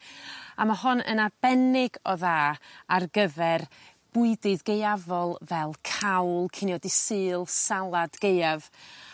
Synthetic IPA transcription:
amaɦɔnə̰nab̥ɛnɪɡɔðaːarɡəvɛr | b̥ʊɨdɨðɡejavɔlˠvɛlˠkʰawlˠkʰɪnjɔdɪsɨːlˠsalˠad̥ɡ̥ejav

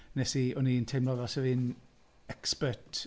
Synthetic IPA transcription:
nɛsiɔnintʰemlˠɔðɔsɛviːn | ɛkspətʰ

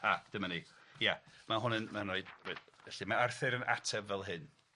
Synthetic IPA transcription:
ad̥əmanijamaɦʊnənmanoɨd̥edɛɬɨmaarθɨɾənʔa̰tʰɛbvɛlˠɦɨn

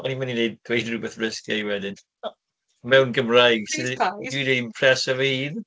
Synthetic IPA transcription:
ɔnimaninejd̚d̥wejdrubɛθrɪskjaiwɛdɪn | mɛwnɡəmrajɡsidideimpʰrɛsɔvəhiːð

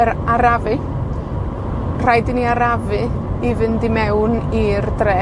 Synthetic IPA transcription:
əɾaɾavɨ | r̥ajdɪniaɾavɨivɨndimɛwnirdrɛ

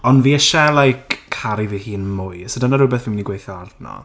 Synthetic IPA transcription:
ɔndviɛʃɛlˠajkʰːaɾivihiːnmʊjsədanaɾʊbɛθvinminiɡwejθjɔardnɔ̰

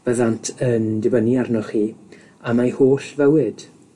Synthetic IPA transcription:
v̥əðantʰəndɪbəniarnɔχiː | amajhoːɬvəwɪd̥

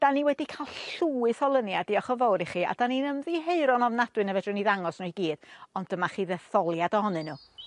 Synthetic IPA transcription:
d̥aniwɛdikʰalˠɬuːɨθɔlˠənjadiɔχɔvowɾiχia̰d̥aninəmðiɦeɨɾɔnɔvnadwɨnəvɛdʊniðaŋɔsnʊɡiːd̥ɔndəmaχiːðɛθɔlˠjadɔɦɔnɨnːu

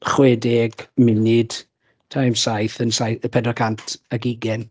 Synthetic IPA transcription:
χwɛdɪɡ̥mɪnɪd̥ | tʰajmsajθənsajəpʰɛdrɔkʰantʰaɡiɡɛn

